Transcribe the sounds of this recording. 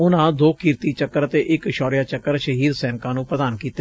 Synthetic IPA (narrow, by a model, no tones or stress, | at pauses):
ʊnãːd̪oːkiːɾt̪iːt͡ʃəkːəɾət̪eːʔɪkʃɔːɾɪjaːt͡ʃəkːəɾʃəɦiːd̪sɛːnkãːnũːpɾəd̪aːnkiːt̪e